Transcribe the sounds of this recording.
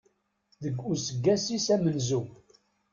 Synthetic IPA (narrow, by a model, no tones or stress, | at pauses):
ðəɡːusəɡːæsisæmənzu